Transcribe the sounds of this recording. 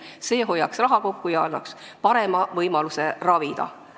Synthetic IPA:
se̞ːɦo̞jːɑksrɑɦɑko̞kːujɑɑnːɑ̰kspɑɾemɑvɤjmɑluse̞rɑvid̪̥ɑ̰

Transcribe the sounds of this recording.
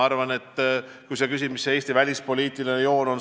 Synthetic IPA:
ɑrvɑne̞t̪ː | kujse̞kys̬ʲimiseeːsʲt̪ivælʲispo̞lʲiːt̪ˑilinejo̞ːno̞n

